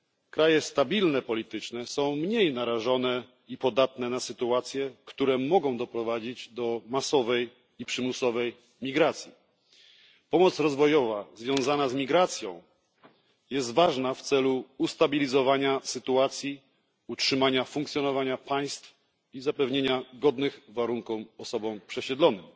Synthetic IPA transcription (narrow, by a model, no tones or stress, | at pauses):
kɾajɛst̪abʲilnɛpɔlʲit̪ɘt͡ʂnɛsɔ̃w̃mɲejnaɾaʐɔnɛ | ipɔd̪at̪nɛnasɘt̪uat̪sʲjɛkt̪uɾɛmɔɡɔ̃w̃d̪ɔpɾɔvad͡ʑid͡ʑd̪ɔmasɔvɛj | ipʂɘmusɔvɛj | mʲiɡɾat̪sʲji | pɔmɔt̪sɾɔzvɔjɔvazvʲjɔ̃w̃zanazmʲiɡɾat̪sʲjɔ̰̃w̃ | jɛst̪vaʐnaft̪sɛluust̪abʲilʲizɔvaɲasɘt̪uat̪sʲji | utʂɘmaɲafuŋkt̪sʲjɔnɔvaɲapaj̃st̪f | izapɛvɲeɲaɡɔd̪nɘxvaɾuŋkufɔsɔbɔ̃w̃pʂɛɕɛd̪lɔnɘm